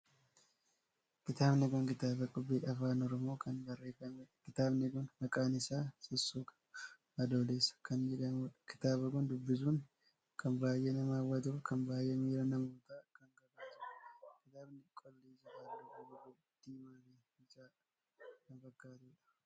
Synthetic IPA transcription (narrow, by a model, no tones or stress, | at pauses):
kɪt̪aːbnɛɡʊŋkɪt̪aːbɐkʼʊbːiːʔɐfaːnɔɾɔmo̞ːkɐnbɐrːeːfɐmɛkɪt̪aːbnɪɡʊnhɐkʼaːnɪsaːsɔsːuːkɐ̥ | ɐd̪oːleːsɐ̥kɐnd͡ʒɛᶑɐmuːᶑɐ̥kɪ̥t̪aːbɐkʊnd̪ʊbːɪsuːn | kʰɐnbaːjʔeːnɐmaːwːɐt̪ʊkɐmbaːjemiːɾɐnɐmuːt̪aːkɐŋɡɐbaːt̪ʊkɪt̪aːbnɪkʼɔlːiːsɐfaːʊɡɐbɐkʊ | d̪̥iːmaːbeː | ɪt͡ʃʼaː | kɐnfɐɡːaːt̪uːᶑɐ̥